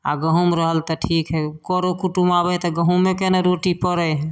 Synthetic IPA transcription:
a̰ɡəɦumɾəɦəlt̪ɔʈʰikɦɛkɔɾokuʈumabɛt̪ɔɡəɦumːekeneɾoʈipəɾəjɦ

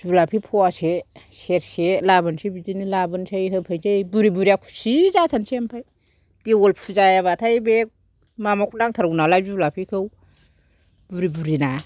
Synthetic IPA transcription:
z̥ulapʰipʰɔaseseɾselabɯnsebid͡ʒinilabɯnsʰajɦɯpʰajt͡ʃabuɾibuɾiakʰu̥sizatʰansempʰaj | tiwolpʰuzajaβatʰajbek̚ | mamakʰunaŋtʰaɾwnalajzublapʰikʰɯw | buɾibuɾina

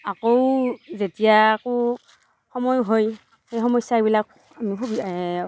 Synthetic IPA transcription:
akowzetijaːko | xɔmɔjɦoj | xejxɔmɔsːaebilak̚ | amikʰubi

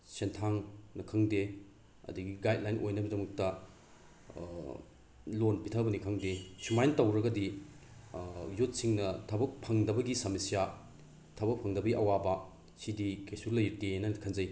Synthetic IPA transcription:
sentʰaŋnɐkʰɐŋde | ɐ̰dɐɡiɡajt̚lajnʔojnɐbɐdɐmɐk̚tɐ | lonpitʰɐbɐnikʰɐŋdesumajntɐwɾɐɡɐdi | jut̚siŋnɐtʰɐbɐk̚pʰɐŋdɐbɐɡisɐmisija | tʰɐbɐk̚pʰɐŋdɐbɐɡiʔɐwabɐ | sidikejsuɾlɐjtenɐkʰɐnzɐj

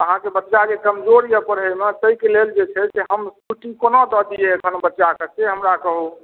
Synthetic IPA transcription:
əɦãkebətːt͡ʃad͡ʒekəmd͡ʒoɾijəpəɾɦemet̪əikeleld͡ʒet͡ʃʰɛseɦəmkuʈikonod̪ɔd̪ijeəkʰənbətːʃakəseɦəmɾakəɦu

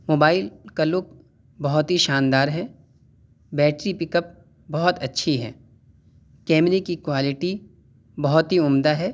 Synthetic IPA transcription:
moːbaːɪlkalʊːk̚ | bɐɦɔt̪ɦiʃaːnd̪aːɾɦɛː | bɛːʈɾipɪkəp̚ | bɔɦɔt̪ɐtːʃʰiɦɛ̰ː | kɛːmnikikwaːlɪʈi | bɐɦɔt̪ɦiʊmd̪aɦɛː

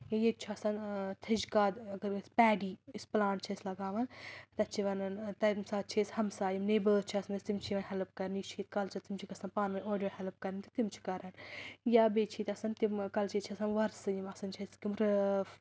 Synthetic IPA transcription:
jajet̪̚t͡ʃʰiɐsɐnt̪ʰid͡ʒkaːd̪ɐɡɐɾspɛːɖiːisplaːɳʈ̚t͡ʃʰɐsʲlɐɡaːʋɐnt̪ɐt͡ʃʰiʋɐnɐnt̪ɐmsaːt͡ʃʰisʲhɐmsaːjimneːbəːt͡ʃʰiɐsɐnɐsʲt̪imt͡ʃʰiʋɐnɦɛlp̚kɐɾʲnit͡ʃʰiːt̪kɐlt͡ʃʰɐt̪imt͡ʃʰikɐsɐnpaːnʋɐnʲoːɖijoːhɛlp̚kɐɾʲnt̪it̪imt͡ʃʰi̥kɐɾɐnjabeːt͡ʃʰiːt̪ɐsɐnt̪imkɐlt͡ʃeːt͡ʃʰiɐsɐnʋɐɾsɨjimɐsɐnt͡ʃʰɐskimɾ

